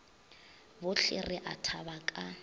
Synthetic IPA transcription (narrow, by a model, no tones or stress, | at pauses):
bʊɬʰɪ̰rɪʔatʰabakʼa